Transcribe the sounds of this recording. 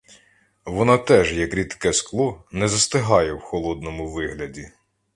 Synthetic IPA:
ʋɔnɑt̪ɛʒjɐkɾʲit̪kɛsklˠɔnɛzɐst̪ɪɦɑjɛwxɔlˠɔd̪nɔmʊʋɪɦlʲɐdʲi

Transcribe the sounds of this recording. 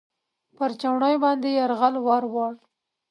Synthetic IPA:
pəɾt͡ʃawɳɑjbɑnd̪ejaɾɣalwɑɾwɑɽ

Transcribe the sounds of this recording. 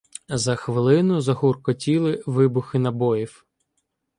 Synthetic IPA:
zɐxʋɪlˠɪnʊzɐɦurkɔtʲilˠɪʋɪbʊxɪnɐbɔjiw

